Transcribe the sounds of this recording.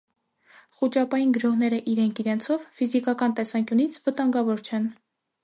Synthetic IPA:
χut͡ʃɑpɑjinɡəɾɔhnɛɾəʔiɾɛŋkʰiɾɛnt͡sʰɔvfizikɑkɑnt̪ɛsɑŋkʲjunit͡sʰvət̪ɑŋɡɑvɔɾt͡ʃʰɛn

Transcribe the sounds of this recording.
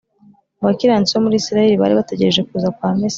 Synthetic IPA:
uβakiɾant͡siβomuɾiːsiɾaje̞ɾiβa̰ːɾiβate̞ɟeɾe̞ʒe̞kuːzakwaːmes

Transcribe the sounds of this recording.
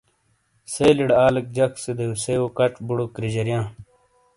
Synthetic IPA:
seːliɽaːlɐk̚d͡ʑɐksed̪euseoːkɐʈ͡ʂbuɽokɾid͡ʑɐɾjãː

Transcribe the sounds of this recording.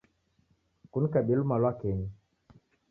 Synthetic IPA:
kun̩kaɓilumalwakeni

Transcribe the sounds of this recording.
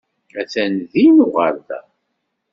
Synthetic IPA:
æθænðinuʁəɾðæ̰

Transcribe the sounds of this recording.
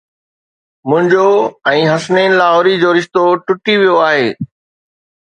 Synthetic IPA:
mʊ̃ɦɪ̃ɲd͡ʑoɛ̃ːɦɐsneːnlaːɦoːɾid͡ʑoːɾɪʃt̪oʈʊʈiʋijoaːɦeː

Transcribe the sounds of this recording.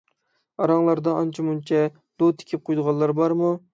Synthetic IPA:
ɑɾɑŋlˠɑɾd̪ɑɑnt͡ʃʰimunt͡ʃʰɛ | d̪ot̪ʰɪ̥kʲʰɪp̚qʰojd̪əʁɑlˠːɑɾbɑɾmu

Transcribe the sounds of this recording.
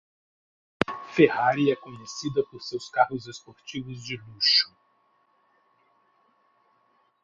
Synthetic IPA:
fehaɾiɛkõɲesid̪ɐpoɾsewskaɦʊzespoɾt͡ʃivʊzd͡ʒɪluʃʊ̥

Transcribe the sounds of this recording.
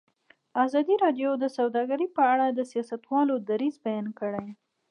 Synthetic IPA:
azɑd̪iɾɑɖjod̪əsawd̪ɑɡaɾipəaɽad̪əsijɑsat̪wɑlod̪aɾizbajɑnkəɽaj

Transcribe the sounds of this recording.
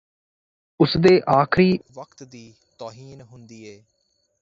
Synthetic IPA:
ʊsd̪eːʔaːkʰɾiːʋəkt̪d̪iː | t̪oːɦiːnɦʊnd̪iːeː

